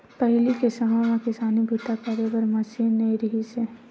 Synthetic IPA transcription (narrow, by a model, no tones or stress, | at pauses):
pɐɦlikesɐɦamakɪsaːnibʱut̪akaɾebəɾmɐsiːnːɐiɾɐɦise